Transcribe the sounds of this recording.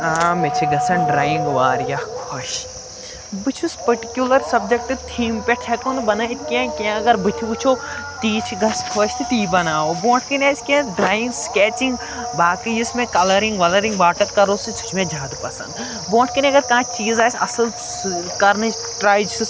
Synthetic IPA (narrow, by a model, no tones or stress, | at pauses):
aːmet͡ʃʰiɡɐsɐ̃nɖɾaːjĩŋɡʋaːɾjakʰoʃ | bɨt͡ʃʰuspɐɾʈikjulɐɾsɐb̚d͡ʒek̚ʈɨt̪ʰiːmpeʈʰekonbɐnait̪ʰkãːkãɐɡɐɾbit̪ʰibut͡ʃʰot̪iːt͡ʃʰɡɐskʰoːʃt̪it̪iːbɐnaːobõːʈʰkɐnaːskãɖɾaːjĩŋɡskɛːt͡ʃĩŋɡ | baːkiismẽkɐlɐɾĩŋɡʋɐlɐɾĩŋɡʋaːʈɐt̪kɐɾoːsit͡ʃʰu̥t͡ʃʰmẽd͡ʒaːd̪upɐsɐ̰̃nd̪bõːʈʰkɐniɐɡɐɾkɐɦãt͡ʃiːzaːjsɐsɐl | kɐɾni | ʈɾaːjd͡ʒ